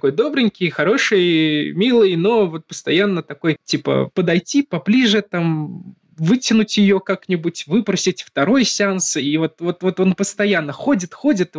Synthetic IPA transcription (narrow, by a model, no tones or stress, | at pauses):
tko̞jd̪o̞bɾʲɪnʲkʲɪjxɐɾo̞ʂɨjmʲilˠɨjno̞vo̞t̪̚pə̥st̪ɐjanːət̪ɐko̞jtʲipə̰pəd̪ɐjtʲipɐblʲiʐɨt̪am | vɨtʲɪnʊtʲjɪjo̞kaknʲɪbutʲvɨpɾəsʲɪtʲft̪ɐɾo̞jsʲansivo̞t̪vo̞t̪vo̞t̪o̞npəst̪ɐjanːəxo̞dʲɪt̪xo̞dʲɪt̪